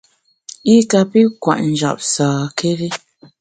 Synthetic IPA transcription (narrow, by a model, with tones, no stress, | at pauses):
i˦ka˨pi˦kwa̰˨ʔn̩˨d͡ʒa̰˨p̚saː˨kʰe˦ɾi˦